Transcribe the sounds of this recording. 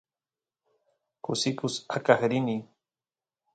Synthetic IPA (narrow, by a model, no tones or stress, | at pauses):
kʊsɪkʊsakaχɾɪni